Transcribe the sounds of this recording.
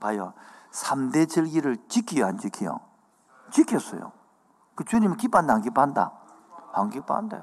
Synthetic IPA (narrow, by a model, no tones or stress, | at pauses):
pajosʰamdet͡ɕɯɭɡiɾɯɭt͡ɕikʰːijant͡ɕikʰijo̰ | t͡ɕikʰes͈ʌ̰jo̰ | kɯt͡ɕuɲimkip͈andaŋɡipanda̰ | aŋɡipa̰nda̰jo